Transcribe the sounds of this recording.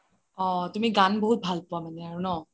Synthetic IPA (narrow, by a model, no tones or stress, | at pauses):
ɔ̃tumiɡanbɔɦut̚bʱalpʊwamanɛaɹunɔ